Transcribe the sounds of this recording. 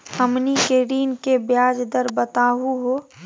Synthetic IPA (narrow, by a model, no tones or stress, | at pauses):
həmnikeːɽiːnkebjaːd͡ʒd̪əɾbət̪aːɦuɦoː